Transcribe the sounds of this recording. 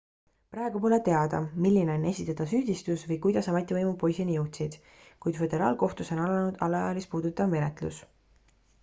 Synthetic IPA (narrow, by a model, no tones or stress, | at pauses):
pɾɑeɡ̥upo̞le̞t̪e̞ɑd̪̥ɑ̰milːine̞o̞ne̞sʲit̪ːˑɑd̪̥ɑsyːd̪̥ist̪usvɤjkujd̪̥ɑsɑmet̪ːˑivɤjmupo̞jsinijɤwt̪sid̪̥ | kujd̪̥fe̞d̪e̞ɾɑ̰ːlko̞ht̪uso̞nɑlɑnud̪̥ɑlːɑjɑlispuːd̪ut̪ːˑɑvme̞net̪lus